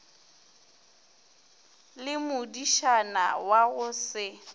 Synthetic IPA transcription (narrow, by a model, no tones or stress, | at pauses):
lɪmʊdiʃana̰waɣʊsɪ